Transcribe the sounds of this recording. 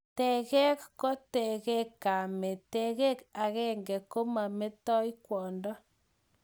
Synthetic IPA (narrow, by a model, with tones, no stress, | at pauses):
tɛ˨ɣɛ˦kkɔ˦tɛ˨ɣɛ˦kːa˨me˨tɛ˨ɣɛ˦ka˨ɣɛ˦ŋɡɛ˨ko˦ma˨me˦tɔ˦i˦kwɔ˨ndɔ˦